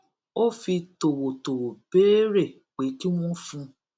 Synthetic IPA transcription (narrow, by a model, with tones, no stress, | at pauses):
o˦fi˧to˨wo˨to˨wo˨b̥e˦ɾe˦˨ | k͡pe˨˦ti˦w̃ɔ̃˦fũ˧